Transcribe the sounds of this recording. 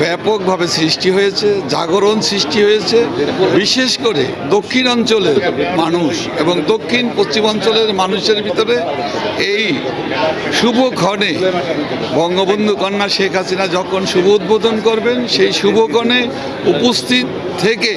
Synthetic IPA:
bɛpok̚bʱabesɾiʃʈiɦojet͡ɕʰed͡ʑa̰ɡoɾonsɾiʃʈiɦojet͡ɕʰebiʃeʃkoɾḛ | d̪okʰːinɔnt͡ɕoleɾmanuʃ | eboŋd̪okʰːinpost͡ɕimɔnt͡ɕoleɾmanuʃeɾbʱit̪oɾe | ej | ʃubʱokɔne | bɔŋɡobond̪ʱukɔnːaʃekʰasinad͡ʑɔkʰonʃubʱuud̪̚bod̪ʱonkoɾbenʃejʃubʱokʰɔne | upost̪ʰit̪ | t̪ʰːeke

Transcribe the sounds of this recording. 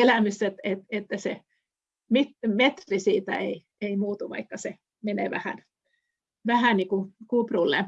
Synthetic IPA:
elæmyset̪et̪et̪ːæse | mit̪met̪rrisiːt̪æ̰ei | eimuːt̪uʋɑ̰ikːɑse | menḛːʋæ̰hæ̰n | ʋæhæˑnniːkukuprulːḛ

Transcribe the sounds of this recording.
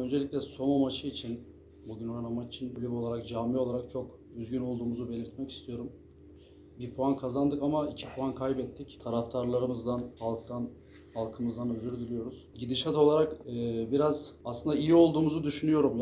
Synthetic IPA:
ønd͡ʒeiclʲɛso̞mamat͡ʃʰɯit͡ʃʰin | buɟynoɾanamad͡ʒit͡ʃʰinbylʲypo̞lˠaɾak̚d͡ʒaːmːio̞lˠaɾak̚t͡ʃʰo̞k | øzɟyno̞lˠd̪uːmuzube̞lʲiɾt̪̚mɛci̥st̪ʰijo̞ɾum | biɾpʰoankʰazand̪ɯkamaicʰi̥pʰoankʰajbɛt̪ʰːict̪ʰaɾaft̪ʰaɾlˠaɾɯmɯzd̪anhalˠk̚t̪ʰan | halˠkʰɯmɯzd̪anøzyɾd̪ylʲyjo̞ɾuz̥ɟid̪iʃat̪o̞lˠaɾakːbiɾazaslˠɯnd̪aijio̞lˠd̪uːmuzud̪yʃynyjo̞ɾum

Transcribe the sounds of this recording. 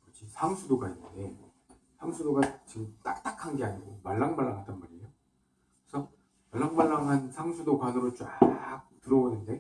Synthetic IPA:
kɯd͡ʑʰisʰaŋsʰudoɡainːɯnde̞ | sʰaŋsʰudoɡat͡ɕit͈ak̚t͈akʰaŋɡe̞aɲiɡomaɭːaŋmaɭːaŋɦad͈ʌnmaɾijo | kɯesʰʌ | maɭːaŋmaɭːaŋɦansʰaŋsʰudokwanɯɾot͡ɕak̚tɯɾʌwonɯnde̞

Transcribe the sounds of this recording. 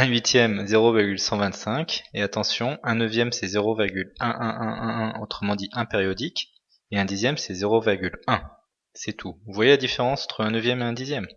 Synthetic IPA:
ɛ̃ɥit̪jɛmzeʁoviʁɡʲylsɑ̃vɛ̃t̪sɛ̃keat̪ɑ̃sjɔ̃ʔɛ̃nəvjɛmsɛzeʁoviʁɡʲylɛ̃ʔɛ̃ʔɛ̃ʔɛ̃ot̪χəmɑ̃d̪iʔɛ̃peʁjɔd̪ik | eɛ̃d̪izjɛmsɛzeʁoviʁɡʲylɛ̃ | sɛt̪ʰuvwajelad̪ifeʁɑ̃sɑ̃t̪χəɛ̃nəvjɛmeɛ̃d̪izjɛm

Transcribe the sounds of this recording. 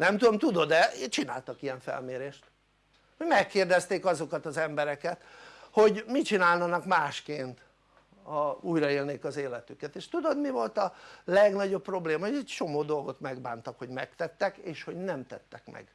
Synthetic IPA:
nɛmt̪ud̪omt̪ud̪o̞d̪ɛt͡ʃina̰ːlt̪ɒkijɛɱfɛ̰lmeːɾeːʃt̪ | hoɟmɛkːeːrd̪ɛst̪eːkɒzo̞kɒt̪ɒzɛmbɛɾɛkɛt̪ho̞ɟmit͡ʃinaːlnɒnɒkmaːʃkeːnt̪ | ɒuːjrɒeːlneːkɒzeːlɛt̪ykɛt̪eːʃt̪ud̪o̞d̪mivo̞lt̪ɒlɛɡnɒɟo̞pːro̞bleːmɒoɛct͡ʃo̞moːd̪o̞lɡo̞t̪mɛɡ̚ba̰ːnt̪ɒkho̞ɟmɛkt̪ɛt̪ːɛkeːʃho̞ɟnɛmt̪ɛt̪ːɛkmɛ̰ɡ̥

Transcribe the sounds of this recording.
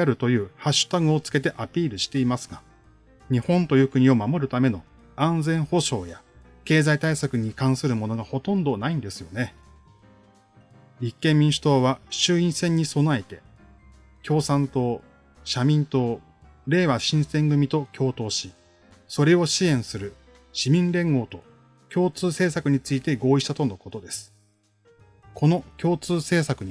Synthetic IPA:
aɾɯ̟t̪o̞jɯ̟ːhaɕːɨ̥t̪aɡɯ̟o̞t͡sɨ̥ke̞t̪e̞ʔapʲiːɾɯ̟ɕi̥t̪e̞imasɨ̥ɡa | ɲ̟ihõ̞nt̪o̞jɯ̟ːkɯ̟ɲ̟io̞mamo̞ɾɯ̟t̪ame̞no̞ | ãnd͡zẽɰ̃ho̞ɕo̞ːja | ke̞ːzait̪aisakɯ̟ɲ̟ikãɰ̃sɨɾɯ̟mo̞no̞ɡaho̞t̪õ̞nd̪o̞naĩnd̪e̞sɨjo̞ne̞ | ɾʲikːẽ̞mːʲĩɰ̃ɕɨ̥t̪o̞ːβaɕɨːĩɰ̃sẽ̞ɲ̟ːiso̞naet̪e̞ | kʲʰo̞ːsãnt̪o̞ː | ɕamʲĩnt̪o̞ː | ɾe̞ːβaɕĩɰ̃sẽ̞ŋɡɯ̟mʲit̪o̞kʲʰo̞ːt̪o̞ːɕi | so̞ɾe̞o̞ɕiẽ̞ɰ̃sɨɾɯ̟ | ɕimʲĩnɾẽ̞ŋɡo̞ːt̪o̞ | kʲo̞ːt͡sɨːse̞ːsakɯ̟ɲ̟it͡sɨit̪e̞ɡo̞ːiɕi̥t̪at̪o̞noko̞t̪o̞d̪e̞sɨ̥ | kʰo̞no̞kʲo̞ːt͡sɨːse̞ːsakɯ̟ɲ̟

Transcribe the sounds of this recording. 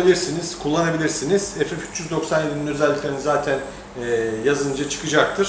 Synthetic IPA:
bilʲiɾsiniz̥kʰulˠːanabilʲiɾsiniz̥ɛfɛfy̥t͡ʃjyzd̪o̞ksanje̞d̪ininøzɛlʲːiclʲeɾinizaːt̪ʰænː | jazɯnd͡ʒat͡ʃʰɯ̥kɯd͡ʒak̚t̪ʰɯɾ̥

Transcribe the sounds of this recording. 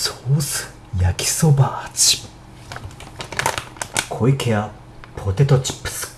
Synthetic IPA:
soːsɨ̥ | jakʲi̥sobat͡ɕi̥ | kʰoikʰea | pʰot̪et̪ot͡ɕi̥ps

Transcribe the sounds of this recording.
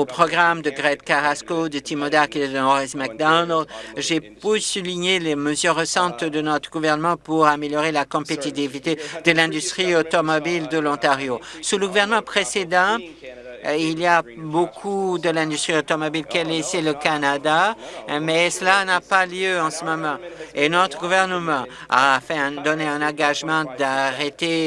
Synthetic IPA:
opχɔɡʁamd̪əɡʁɛd̪kaʁaskod̪ət̪imod̪aʁkʲeɛd̪əɔʁɛzmak̚d̪ɔnlʒepøsuliɲeleməzyʁːəsɑ̃t̪d̪ənɔt̪χəɡuvɛʁnəmɑ̃puʁameljɔʁelakɔ̃pet̪it̪ivit̪ed̪əlɛ̃d̪yst̪χiot̪ɔmɔbild̪əlɔ̃t̪aʁjosuləɡuvɛʁnəmɑ̃pχesed̪ɑ̃ | iliabokʰud̪əlɛ̃d̪yst̪χiot̪ɔmɔbilkɛlɛsɛləkanad̪amɛsəlanapaljøɑ̃səmɔmɑ̃enɔt̪χəɡuvɛʁnəmɑ̃ | a̰fɛ̃ɛ̃d̪ɔneɛ̃nɑ̃ɡaʒmɑ̃d̪aʁet̪e

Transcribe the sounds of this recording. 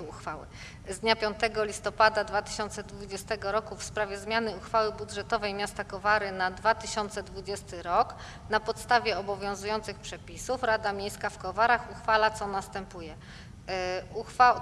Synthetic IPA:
uxfawɘ̰ | zd̪ɲapʲjɔnt̪ɛɡɔlʲist̪ɔpad̪ad̪vat̪ɘ̥ɕɔnt̪sɛd̪vud͡ʑɛst̪ɛɡɔɾɔkufspɾavʲjɛzmʲjanɘuxfawɘbud̪ʐɛt̪ɔvɛjmʲjast̪akɔvaɾɘnad̪vat̪ɘɕɔnt̪sɛd̪vud͡ʑɛst̪ɘɾɔk | napɔt̪st̪avʲjɛɔbɔvʲjɔ̃w̃zujɔnt̪sɘxpʂɛpʲisufɾad̪amʲjejskafkɔvaɾaxuxfalat̪sɔnast̪ɛmpujɛ | uxfa

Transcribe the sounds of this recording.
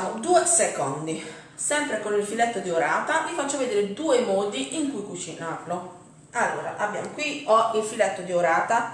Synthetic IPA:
mod̪uːesekond̪i | sɛmpɾekonilfilɛt̪ːod̪ioɾaːt̪alifat͡ʃːoved̪eːɾed̪uːemɔːd̪iʔiŋkujkut͡ʃinarlo | alːo̰ːɾa̰ʔabːja̰ːmokwiɔilfilɛt̪ːod̪ioɾaːt̪a

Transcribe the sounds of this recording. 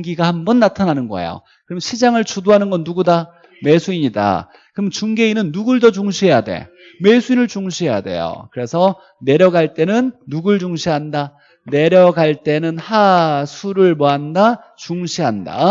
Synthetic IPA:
ŋɡiɡahambʌnːatʰananɯnɡʌ̰ḛjo̰ | kɯɾmnɕʰid͡ʑaŋɯɭt͡ɕudoɦanɯnɡʌnːuɡuda | me̞sʰuiɲida̰ | kɯɾmɯnt͡ɕuŋɡe̞inɯnːuɡɯɭdʌd͡ʑuŋɕʰiejade̞̰ | me̞sʰuinɯɭt͡ɕuŋɕʰieja̰de̞̰jo̰kɯɾe̞sʰʌ | ne̞ɾjʌɡaɭt͈e̞nɯnːuɡɯɭd͡ʑuŋɕʰiɦanda | ne̞ɾjʌɡaɭt͈e̞nɯnhasʰuɾɯɭmʌɦanda | t͡ɕuŋɕʰiɦanda̰

